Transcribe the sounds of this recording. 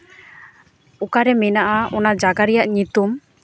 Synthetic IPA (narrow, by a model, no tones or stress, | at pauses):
ɔkaɾɛmɛnaʔaɔnad͡ʒaɡaɾɛjaʔɲit̪um